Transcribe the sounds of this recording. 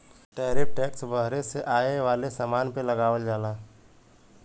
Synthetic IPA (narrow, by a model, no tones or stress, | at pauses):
ʈɛːɾɪp̚ʈɛːksbəɦɾeseʔaːeʋaːlesaːmaːnpeləɡaːʋəld͡ʒaːlaː